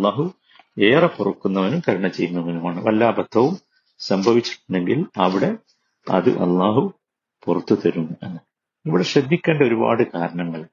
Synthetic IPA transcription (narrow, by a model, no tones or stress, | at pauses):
ɐlːaːɦu | e̞ːrɐpurɐkːunːɐʋɐnumkɐɾiɳɐt͡ɕe̞jːunːɐʋɐnumaːɳɨʋɐlːaːbɐt̪ʰːɐʋum | sɐmbʱɐʋit͡ɕːi̥ʈːunɳːɖeŋɡilɐʋiɽe̞ | ɐ̰ðɨ̰ʔɐ̰lˠːaːɦu | purɐt̪ːut̪ɐɾunːuenːɨ | iʋiɽeɕɐd̪ʱːikʲːe̞ːɳɖɐo̞ɾuba̰ːɽɨkaːɾɐɳɐŋːɐɭ